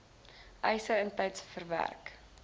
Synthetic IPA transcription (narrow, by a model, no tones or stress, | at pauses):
ʔɛjsəəntɛjtsfərvæ̰rk